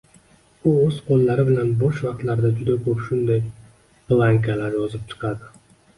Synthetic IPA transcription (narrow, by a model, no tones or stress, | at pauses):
ʊɵz̥qolˠːaɾɪbɪlanbɒʃvɑq̚t̪laɾd̪ad͡ʒʊd̪akʰɵpʃʊnd̪aj | plˠaŋkʰalaɾjɒzɪp̚t͡ʃʰɨ̥qʰɑd̪ɪ